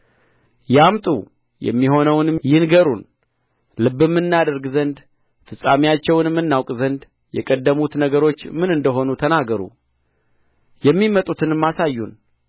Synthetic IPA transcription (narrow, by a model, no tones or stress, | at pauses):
jamt̪ʼṵ | jɛ̰mːiɦo̞nəwnjɪnɡəɾun | lɨbːɨmːɨnːad̪əɾɡzənd̪ | fɨsʼːamijat͡ʃːɛwnmːɨnːawkʼzənd̪ | jɛ̰kʼəd̪ːəmut̪nəɡəɾo̞t͡ʃːmɨnɨnd̪əɦo̞nut̪ʰənaɡəɾṵ | jɛmːimət̪ʼut̪ʰɨnɨmːasajːun